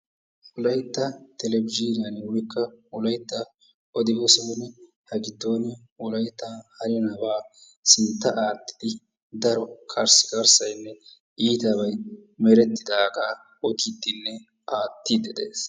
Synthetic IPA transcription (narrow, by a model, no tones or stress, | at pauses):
wʊlɐjt̪ːɐt̪ɛlɛbɪd͡ʒiɾɪjɐnɛwɔjkːɐwɔlɐjt̪ːɐ | ʔɔd̪ɪbɔsɔːnɛ | hɐɡɪd̪ːoːnɛ | wɔlɐjt̪ːahɐɾɪjɔnɐbaː | sɪnt̪ːɐʔaːt̪ːɪ̥d̪ɪ | d̪ɐɾɔkʰɐɾsɪ̥kɐɾsɐjnːɛ | ʔiːt̪ɐbɐjmɛɾɛt̪ːɪd̪aːɡaː | ɔt̪id̪ːɪnːɛ | ʔaːt̪ːid̪ɛd̪eːs